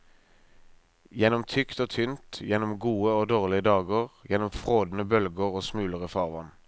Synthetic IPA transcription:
jɛnɔmt̪ʰʏkt̪oːt̪ʰʏnt̪jɛnɔmɡuːəoːd̪oːʁlɪəd̪ɑːɡəʁjɛnɔmfʁoːd̪n̩əbœlɡəʁoːsmʉːləʁəfɑːʁʋɑ̰n

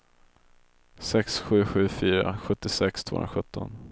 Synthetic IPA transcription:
sɛksɧʉ̟ːɧʉ̟ːfyːɾa̰ɧɵt̪ːɪsɛkst̪ʰo̰ːnɾaɧɵt̪ʰːɔn

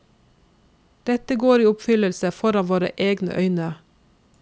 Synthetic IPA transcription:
d̪̥ɛt̪əɡoːɾiːʊpfʏləlsəfɔɾɑnʋoːɾə̰ʔeːɡnə̰ʔœʏnə

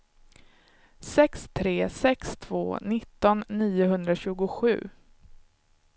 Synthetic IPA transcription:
sɛkst̪ʰɾeːsɛkst̪ʰv̥o̰ːnɪt̪ːɔnːiːʊɦɵnd̪ɾaɕʉ̟ːɡʊɧʉ̟̰ː

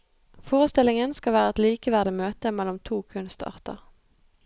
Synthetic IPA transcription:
foːʁəst̪ɪlɪŋənskɑʋæːʁəɛt̪liːkəʋæʁd̪əmøːt̪əmɛlʊmt̪ʰuːkʰʉnst̪ɑ̰ːʁt̪ə̰ʁ

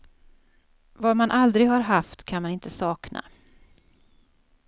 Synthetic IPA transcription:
vamanʔald̪ɾɪɡhaɾɦaft̪kʰanmanɪnt̪ʰəsɑːknʔa̰

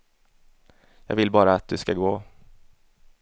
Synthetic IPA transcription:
jɑ̰ːɡvɪlbɑːɾaːt̪̚d̪ɵskaɡoː

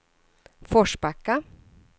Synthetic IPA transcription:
fɔʂbakːa

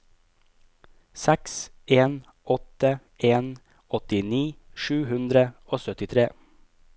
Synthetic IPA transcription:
sæks | eːn | ɔt̪ə | eːn | ɔt̪ɪniːʃʉːhʉnd̪ɾəoːsœt̪ɪt̪ʰɾeː

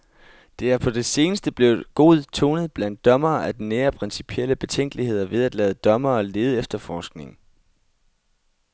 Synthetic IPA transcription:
d̥e̝æɐpʰɒ̽d̥e̝se̝ːnəsd̥əb̥le̝ʊɡ̥o̝̰ð̞̩ˠt͡sʰo̝ːnəð̞̩ˠb̥læn̰d̥ːɒ̽mɐːʔæd̥ineːɐpʰʁɛnsi̥pʰiel̰əb̥e̝t͡sʰeŋ̰ɡ̥lihe̝ð̞̰ˠɐʋe̝ð̞ˠæd̥lɛːð̞ˠəd̥ɒ̽mɐːle̝ːð̞̩ˠəefd̥ɐfɒːsɡ̥ne̝ŋ̩

